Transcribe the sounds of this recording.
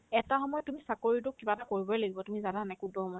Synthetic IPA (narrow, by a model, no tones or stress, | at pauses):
ɛtaxɔmɔjɔtumisakoɹitʊkːibatakoɹibɔlelaɡibɔtumizadanajkudɔhɔmɔ